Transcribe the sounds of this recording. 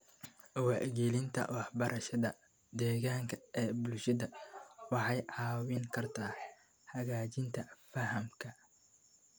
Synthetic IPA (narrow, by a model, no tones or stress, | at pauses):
ʔwɑʕɡiːlɪnt̪ʰɐ̰wɑħbɐɾʔɐʃɐðɐ | d̪ɛːɣaːŋkʰɐɛːbʊlʃɐðɐwɑħɑjʕɑːwɪŋkʰɐrt̪ʰaː | hɐɣaːt͡ʃɪnt̪ʰɐfɐhɐmkʰɐ